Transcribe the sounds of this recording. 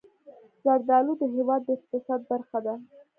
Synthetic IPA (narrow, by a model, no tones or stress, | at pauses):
zaɾd̪ɑlud̪əɦewɑd̪ːəɪq̚t̪ɪsɑd̪̚baɾxad̪a